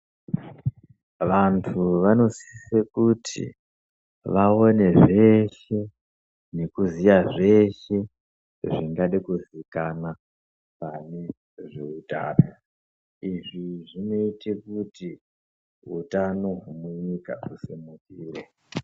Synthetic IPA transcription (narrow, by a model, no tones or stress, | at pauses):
ʋantʰuʋano̞si̥isekutʰḭ | ʋao̞ne̞ʐe̞ʃe̞ | ne̞kuzijaʐe̞ʃe̞ | ʐiŋɡaɗekuzikana | pane̞ | ʐeuta̰ːra | iʐiʐino̞itekuti | ṵtanoɦumuɲika̰usimukiːre